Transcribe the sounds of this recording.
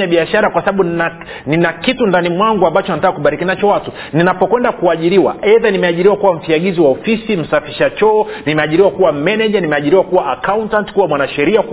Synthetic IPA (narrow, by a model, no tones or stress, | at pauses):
aɓiaʃaɾakwasaɓaɓu | ninakitundanimwaŋɡuambat͡ʃɔnatakːakuɓaɾikinat͡ʃɔwatu | ninapɔkwɛndakuaʄiɾiwa̰ɛðanimɛaʄiɾiwakuwam̩fiaɠiziwaɔfisim̩safi̥ʃat͡ʃɔːnimɛaʄiɾiwakuwamɛnɛʄanimɛaʄiɾiwakuwaːkauntantkuwamwanaʃɛɾiak